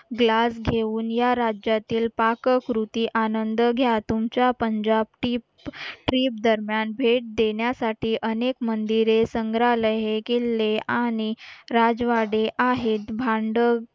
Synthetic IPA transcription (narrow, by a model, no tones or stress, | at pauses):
ɡlasɡʱeuːnjaɾad͡ʑjat̪iːlpakəkɾut̪iːʔanənd̪əɡʱjat̪umt͡ɕapəɲd͡ʑab̚ʈipʈɾiːp̚d̪əɾmjanbʱeʈ̚d̪eɳjasaʈiːʔənekmənd̪iɾesəŋɡɾaləɦekelːeaɽ̃iɾad͡zʋaɽeʔaɦet̪bʱaɳɖə